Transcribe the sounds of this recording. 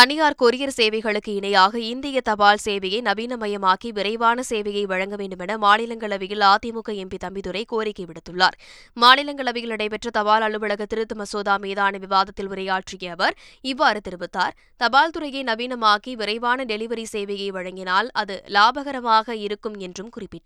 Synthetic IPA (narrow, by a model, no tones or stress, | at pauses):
t̪ɐnɪjaːɾkɔɾɪjɐɾseːʋɐɪɣɐɭɯkːɯɪɳɐjaːɣɐɪnd̪ɪjɐt̪ɐbaːlseːʋɐjɐɪnɐbiːnɐmɐjɐmaːkiʋɪɾɐɪʋaːnɐseːʋɐjɐɪʋɐɻɐŋɡɐʋeːɳɖɯmɛnɐmaːnɪlɐŋɡɐɭɐʋɪjɪlaːt̪ːɪmʊkːɐɛmbit̪ɐmbɪðɯɾɐɪkoːɾɪkːɐɪʋɪɽɯt̪ːɯɭːa̰ːɾ | maːnɪlɐŋɡɐɭɐʋɪɣɪlɪɽɐɪpɛʈrɐt̪ɐʋaːlɐɭɯʋɐɭɐɣɐt̪ːɪɾɯt̪ːɯmɐsoːðaːmeːðaːnɐʋɪʋaːðɐt̪ːɪlʊɾɐjaːʈrɪjɐɐʋɐɾɪʋːaːɾɯt̪ɪɾɯbɯt̪ːaːɾ | t̪ɐbaːlt̪ɯɾɐjɐɪnɐbiːnɐmaːkiʋɪɾɐɪʋaːnɐɖɛlɪʋɐɾiseːʋɐɣɐɪʋɐɻɐŋɡɪnaːlɐðɯlaːbɐɣɐɾɐmaːɣɐɪɾɯkːɯmɛndrɯmkʊrɪpːɪʈː